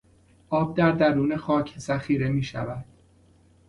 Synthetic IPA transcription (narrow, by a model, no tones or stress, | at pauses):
ʔɒːb̚d̪æɾd̪æɾuːne̞xɒːcʰsæxiːɾe̞miːʃæ̰væd̪̥